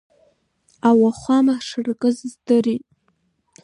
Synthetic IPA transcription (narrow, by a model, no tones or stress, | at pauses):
awaχʷamaʂɨrkʼɨzɨzdɨritʼ